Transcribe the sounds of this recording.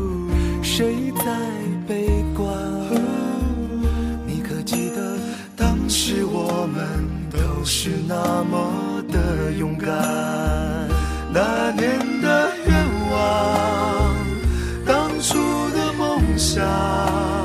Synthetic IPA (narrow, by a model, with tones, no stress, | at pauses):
ʂe˧˥ɪt͡sa˥˧ɪɪpe˥ɪkwa˥˧˩n | ni˨˩kʰɤ˨˩t͡ɕɛ˥˩d̪ə˨ | t̪ɑ˥ŋʂɻ̩˧˥wɔ˨˩mə˧˦n | t̪o˧˦˥ʊʂɻ̩˥˧na˧mə˨ | d̪ə˩jʊ˧˥ŋka˨˩ | na˧njɛ˧˥nd̪ə˧ɥɛ˥˧nwɑ˨˩ | ŋ | t̪ɑ˧˥ŋʈ͡ʂʰu˥d̪ə˧fo˥˧ŋɕjɑ˨˩